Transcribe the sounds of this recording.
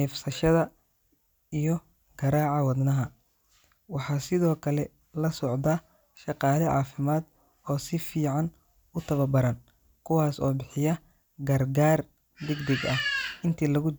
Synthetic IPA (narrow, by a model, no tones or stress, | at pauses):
ɛːfsɐʃɐðɐ | ijɔ | ɡ̥ɐɾaːʕɑwɐd̪nɐɦɐ | wɑħɑːsɪðɔːkʰɐlɛ | lɐsɔʕd̪aː | ʃɑqɑːlɪʕɑ̰ːfɪmaːd̪ | ɔːsɪfiːʕɑn | ʊt̪ʰɐβɐbɐɾɐn | kʰʊwɑːsɔːbɪħɪjɐ | ɡɐrɡaːr | d̪ɪɡd̪ɛɡɐhɪnt̪ʰiːlɐɣʊ